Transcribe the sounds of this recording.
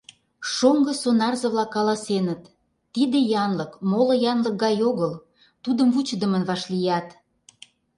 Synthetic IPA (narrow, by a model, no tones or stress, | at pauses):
ʃoŋɡɤ̆sonɑrzə̆βlɑkːɑlɑsenət̪ː | id̪ejɑnlɤkmolɤ̆jɑnlək̚ɡɑjoɣəl | t̪ud̪əmvut͡ɕəd̪ə̆mənβɑʃlijɑt̪